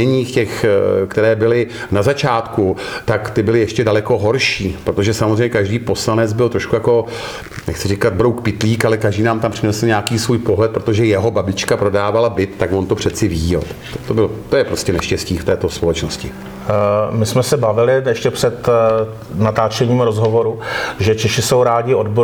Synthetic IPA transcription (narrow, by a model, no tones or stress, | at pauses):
ɛɲiːxcɛxkt̪ɛɾɛːbɪlɪ | nazat͡ʃaːt̪kut̪akt̪ɪbɪlɪjɛʃcɛdalɛko̞ɦoɾʃiːpɾot̪o̞ʒɛsamozrɛjɲɛkaʒdiːpo̞slanɛd͡zbɪlt̪ɾo̞ʃkujako̞ | nɛxt͡sɪrɪkad̪̚bɾowkpɪt̪liːkalɛkaʒdiːnaːmt̪ampr̥ɪnɛsl̩ɲeaːkiːsvuːjpoɦlɛt̪̚pɾo̞t̪o̞ʒɛjɛɦo̞babɪt͡ʃkapɾo̞daːvalabɪt̪ːakvont̪o̞pr̝̥ɛt̪t͡sɪviːɟɛ̰lt̪t̪obɪlt̪ːojɛpɾo̞scɛnɛʃcɛsciːft̪ɛːt̪o̞spo̞lɛt͡ʃnoscɪ | mɪsmɛsɛbavɪlɪjɛʃcɛpr̥ɛt̪ | nat̪aːt͡ʃɛɲiːmɾozɦovo̞ɾuʒɛt͡ʃɛʃɪsowɾaːɟɪodbo